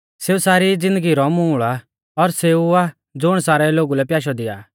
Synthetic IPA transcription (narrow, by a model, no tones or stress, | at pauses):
seːusaːɾid͡zɪ̃nd̪əɡiɾɔmuːɭa | ɔɾseua | d͡zʊɽ̃saːɾɛloːɡulɛpjaːʃ̬ɔd̪ɪa̰ː